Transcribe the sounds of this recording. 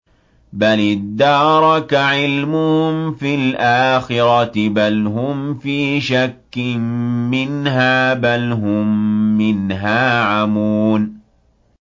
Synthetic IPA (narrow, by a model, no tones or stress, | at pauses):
balɪd̪ːɑːɾˤɑkaʕɪlmʊhmfilʔaːxɪɾˤɑt̪ɪbalɦʊmfiːʃakːɪmmɪnɦaːbalɦʊmːɪnɦaːʕamuːn